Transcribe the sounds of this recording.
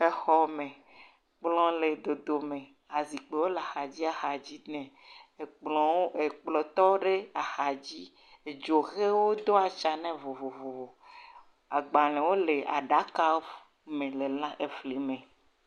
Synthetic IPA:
e˦xɔ˦mẽ˨ | k͡plɔ̃˦le˨d̪o˨d̪o˨mẽ˨ | a˨zi˨k͡pe˨wo˦le˨a˨xa˨d͡ʑi˦a˨xa˨d͡ʑi˦nɛ̃˨ | k͡plɔ̃˨˦e˨k͡plɔ˨t̪ɔ˦ɖe˦a˨xa˨d͡ʑi˦ | e˨d͡ʒo˨xe˦wo˦d̪o˦a˨t͡ʃa˨nɛ̃˦vo˨vo˨vo˨vo˨ | a˨ɡ͡ba˨lɛ̃˨wo˦le˨a̰˨ɖa˨˦ka˦ | mẽ˨le˨lã˦ʔe˨fli˨˦mẽ˨

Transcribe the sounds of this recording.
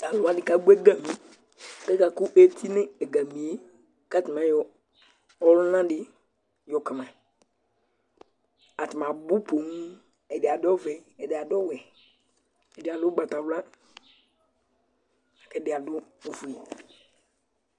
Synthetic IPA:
a˨lʊ˨˦a˨˦nɪ˨ka˦ɡ͡be˦ɡa˨mi˨ | kɛ˦ka˨kʊ˦ʔe˦tʰi˦nɪ̃˦e˨ɡa˨mĩ˨e˦ | ka˦tɪ˨mã˨˦jɔ˨ | ɔ˦lʊ˦nã˦dɪ˦ | jɔ˨kɪ˨mã˨ | a˨tɪ˨mã˨bu˦po˨ŋ˦ | ɛ˨dɪ˨a˨dɔ˦vɛ˨ɛ˨dɪ˨a˨dɔ˦wɛ˨ | ɛ˨dɪ˨a˨lʊ˦ɡ͡ba˨ta˨wla˦ | a˨kɛ˦dɪ˨a˨dʊ˦o˨fu˨i˨

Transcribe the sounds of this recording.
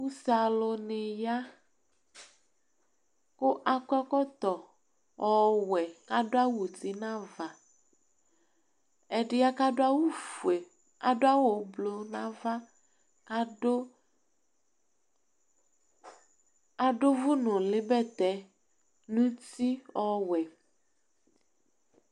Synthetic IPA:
u˦sa˨lo˨ne˨ja˦ | ko˦ʔa˨kʷɛ˦kɔ˦t̪ɔ˨ | ʔɔ˨wɛ˨ka˦ɖo˦a˦wu˨t̪i˨nã˦va˨ | ɛ˨ɖɪ˦ja˦ka˦ɖo˦a˦wu˦fe˨ | a˨do˦a˦wo˨˦blo˨nã˦va˦ | a˨ɖo˦vu˦nʊ̃˨lɪ˦bɛ˦t̪ɛ˨˦ | nũ˦ti˦ɔ˦wɛ˨

